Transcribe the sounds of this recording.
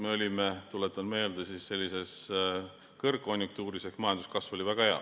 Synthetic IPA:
me̞o̞lʲimet̪ulet̪ːˑɑnme̞ːld̪esisːe̞lʲːise̞s | kɤrkːo̞nʲjukt̪uːɾiseksmɑjɑnd̪u̥skɑsvo̞lʲivæɡ̥ɑheɑ̰

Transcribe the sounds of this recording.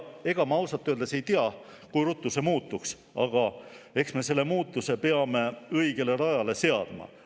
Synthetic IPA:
e̞ɡ̥ɑmɑwsɑt̪ːˑøld̪ese̞jt̪iɑ | kujɾut̪ˑːuse̞muːt̪ːˑuks | ɑ̰ɡ̥ɑe̞ksme̞se̞lːe̞muːt̪ːˑuse̞peɑme̞ɤjɡ̥e̞le̞ɾɑjɑle̞se̞ɑ̰d̪̥mɑ̰

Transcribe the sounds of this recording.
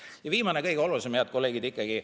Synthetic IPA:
jɑviːmɑnekɤjɡ̥eo̞lusemjɑt̪̚ko̞lːeːɡ̥id̪ikːˑɑɡ̥i

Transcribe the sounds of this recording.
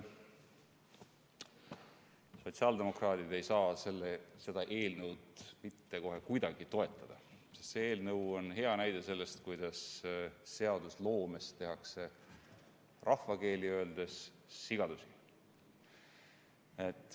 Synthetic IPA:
so̞t̪siɑld̪̥e̞mo̞krɑːt̪id̪̥e̞jsɑːse̞lːese̞d̪̥ɑʔe̞ːlnɤwd̪mit̪ːe̞ko̞ɦe̞kujd̪ɑɡ̥it̪o̞e̞t̪ːˑɑd̪̥ɑ | sest̪seeːlnɤwo̞nɦe̞ɑnæjd̪̥e̞se̞lːe̞st̪kujd̪̥ɑsː | e̞ɑd̪uslo̞ːme̞st̪e̞ɦɑkse̞ | rʔɑfːɑke̞ːliø̞e̞ld̪̥e̞sː | iɡ̥ɑd̪usi | et̪ːˑ

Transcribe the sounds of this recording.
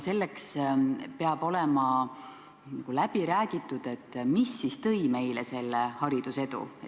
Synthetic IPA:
se̞lːekspeɑb̥o̞lemɑ | nɑɡ̥ulæb̥iɾæːɡ̥it̪ːˑud̪̥e̞t̪ːˑmisːist̪ɤ̞jme̞jlese̞lːehɑɾid̪̥use̞d̪ṵe

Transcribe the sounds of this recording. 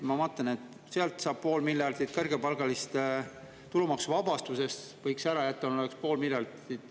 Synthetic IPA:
mɑmɑːt̪ːˑɑne̞t̪ːˑ | seɑlt̪sɑːb̥̚po̞ːlmiljɑrd̪id̪kɤrɡ̥epɑlɡ̥ɑlist̪ | t̪ulumɑksuvɑbɑst̪use̞st̪vɤjksæɾɑjæt̪ːˑɑnolekspo̞ːlmiljɑrd̪id̪̥

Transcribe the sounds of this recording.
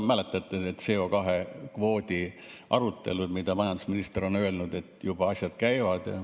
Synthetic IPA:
mæle̞t̪ːˑɑt̪ːˑeet̪ːseokɑɦekvo̞ːd̪ʲi | ʔɑɾut̪ːˑe̞̰lud̪mid̪̥ɑmɑjɑnd̪usminist̪eɾo̞nø̞e̞lnud̪e̞t̪ːˑjub̥ɑɑsʲjɑd̪̥kæjvɑd̪̥ɑ

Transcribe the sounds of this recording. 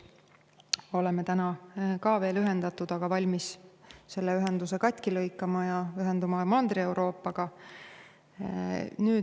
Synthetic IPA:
o̞le̞met̪ænɑkɑːve̞ːlyɦe̞nd̪ɑt̪ːˑud̪̥ɑɡ̥ɑvɑlʲmisse̞lːeyɦe̞nd̪̥use̞kɑt̪ʲːˑkilɤjkːˑɑmɑjɑyɦe̞nd̪umɑmɑnd̪rie̞wɾo̞ːpːˑɑɡ̥ɑ | nyː

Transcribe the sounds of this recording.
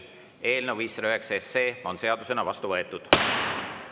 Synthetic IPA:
e̞ːlneviːsrøɦeksesːe̞ːo̞nse̞ɑd̪̥use̞nɑvɑst̪uvɤe̞t̪ːˑud̪̥

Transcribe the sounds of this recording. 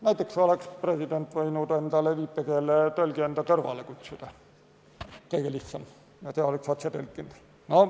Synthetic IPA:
næjt̪ːˑeksolekspresid̪̥ent̪ːʋɤinut̪ɑend̪ɑleʋiːpːekeːlːet̪ølɡiend̪ɑt̪ørʋɑ̰lekut̪ʲsud̪̥ɑ | keiɡelihssɑm | jɑt̪eoleksɑt̪sɑt̪ølkːind̪ | no

